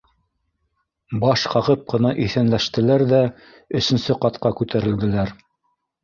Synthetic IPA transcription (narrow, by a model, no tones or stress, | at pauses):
bɑʃqɑʁɤp̚qɤ̆nɑʔiθænlæʃt̪ɘ̆læɾðæ | ɵ̆sɵ̆nsɘqɑt̪qɑkʉt̪ʰæɾɘ̆ld̪ɘ̆læɾ